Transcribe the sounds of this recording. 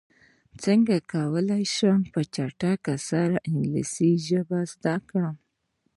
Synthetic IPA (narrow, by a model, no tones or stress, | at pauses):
t͡səŋɡakawəlajʃəmpət͡ʃaʈakasaɾaʔɪŋɡlḭsiʒəbazd̪akɽam